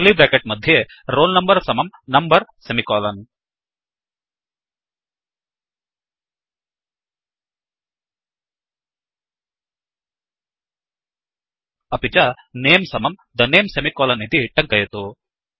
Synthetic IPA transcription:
libeːkeʈ̚mɐd̪ʱje | ɾoːlnɐmbɐɾsɐmɐmnɐmbɐɾsemikɔːlɐn | ɐpit͡ʃɐ | neːmsɐmɐmd̪ɐneːmsemikɔːlɐnid̪iʈɐŋkɐjɐt̪u

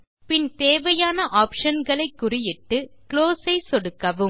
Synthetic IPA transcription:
pɪnt̪eːʋɐjaːnɐʔaːpʂɐnɡɐɭɐɪkːʊrɪjɪʈːɯkɭoːsɐɪsɔɽɯkːɐʋɯm

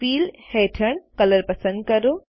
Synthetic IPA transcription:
fiːlheːʈʰəɳ̃kɐləɾpɐsə̃nd̪̚kɐɾoː

